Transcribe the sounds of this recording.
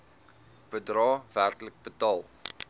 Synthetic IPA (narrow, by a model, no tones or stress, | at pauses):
b̥ədrɑːv̥ærtlək̚bətɑːlˠ